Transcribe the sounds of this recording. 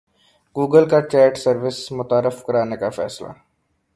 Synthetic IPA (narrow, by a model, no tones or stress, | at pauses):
ɡuːɡəlkat͡ʃɛːʈsɐɾʋɪsmʊt̪aːɾɪfkɐɾaːnekafɛ̰ːsla̰